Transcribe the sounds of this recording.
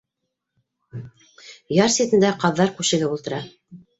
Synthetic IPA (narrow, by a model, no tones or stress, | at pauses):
jɑɾset̪ɘ̆nd̪æqɑðːɑɾkʉʃɘ̆ɡɘulˠt̪ɤ̆ɾɑ